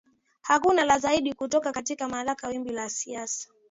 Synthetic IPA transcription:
hakunalazaiɗikutɔkakatikamalakawimbilasiasḁ

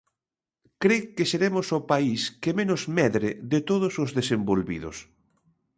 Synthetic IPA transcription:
kɾekeseɾemʊsopaiskemenʊzmɛðɾeðet̪oðʊsʊzðesembolβḭðʊ̰s

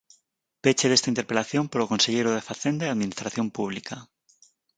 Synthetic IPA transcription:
pet͡ʃeðest̪aint̪eɾpelaθjompoɾokonseʎejɾoðefaθend̪aeaðminist̪ɾaθjompuβ̞likʰa

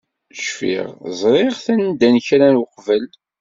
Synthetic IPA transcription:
ʃfḭʁzˤɾˤeʁθænd̪ænçɾanwəqvəl

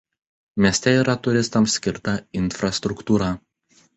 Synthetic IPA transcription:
mʲiɛsʲt̪ʲɛiːɾɐt̪ʊɾʲɪst̪ɐmsːʲkʲɪɾt̪ɐɪnfɾɐst̪ɾʊkt̪uːɾɑː

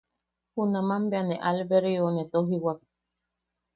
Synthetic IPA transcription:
hunãmãmbeanẽʔalbeɾionet̪oɦiwak̚

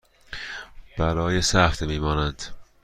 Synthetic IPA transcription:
b̥æɾɒːjesæxt̪miːmɒːnænd̪̥

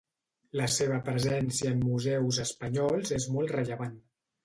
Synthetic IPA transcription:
ləseβ̞əpɾəzɛnsiəːmːuzɛwzəspəɲɔlˠzezmɔlˠt̪rəʎəβan

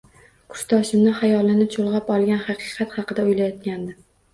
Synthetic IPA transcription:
kʰʊ̥ʃt̪ʰɒʃɪmnɪhajɒlˠɪnɪt͡ʃʰolˠʁɑpɒlˠɡʲanhɑqʰɨqʰɑt̪hɑqɨd̪aʊjlajɒt̪̚kʲand̪ɪ

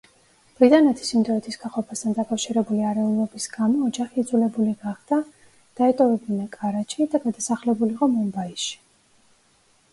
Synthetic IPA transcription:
b̥ɾit̪ʼanɛt̪ʰi̥simd̪ɔɛt̪ʰisɡaχɔpʰast̪ʰand̪akʼafʃiɾɛbuliaɾɛulˠɔbisɡamɔːd͡ʒaχiːd̪zulɛbuliɡaχd̪̥a | d̪̥aɛt̪ʼɔvɛbinakʼaɾat͡ʃʰid̪aɡad̪asaχlɛbuliqʼɔmɔmbaiʃi̥

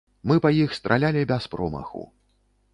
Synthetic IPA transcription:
mɨpɐjixst̪ɾʔalʲalʲibʲɛspɾɔmɐ̰xṵ

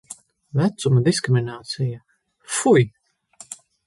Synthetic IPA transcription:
væt̪sumad̪iskɾimʲinaːt̪sija | fuj

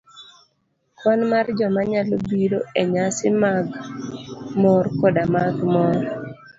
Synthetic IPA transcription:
kwɔnmard͡ʒɔmaɲalobiɾo̰eɲasɪmaɡ | mɔrkɔdamaɡmɔɾ

